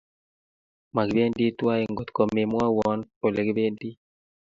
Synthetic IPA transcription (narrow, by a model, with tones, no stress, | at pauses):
ma˨ɡbe˦ndi˦twa˦e˨ŋɡo˨t̪ko˨me˨mwa˦wɔ˨˦npo˨le˨ɡbe˦ndi˦